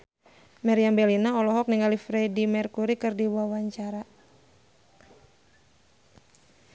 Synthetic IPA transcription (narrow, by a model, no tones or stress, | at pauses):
mɛɾiambɛlinaɔlɔɦɔk̚niŋɡalifɾɛdimɛrkuɾikɨrdiwawaɲt͡ʃaɾa